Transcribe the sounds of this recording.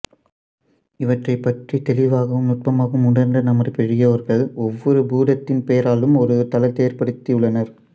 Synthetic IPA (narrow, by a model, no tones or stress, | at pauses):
ɪʋɐʈrɐɪpːɐʈrit̪ɛlɪʋaːɣɐɯmnʊʈ̚pɐmaːɣɯmʊnɐɾnd̪ɐnɐmɐrpɛɻɪjɐʋɐɾɣɐɭɔʋːɔɾɯbuːðɐt̪ːɪnpejɐɾaːlɯmɔɾɯt̪ɐlɐt̪ːeːɐɾpɐɽɯt̪ːiɯɭːɐnɐɾ